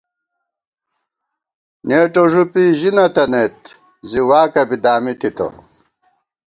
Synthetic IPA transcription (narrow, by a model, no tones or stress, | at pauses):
neːʈoʐupiːʑinɐt̪ɐnet̪ | ziwaːkɐbid̪aːmit̪it̪o̰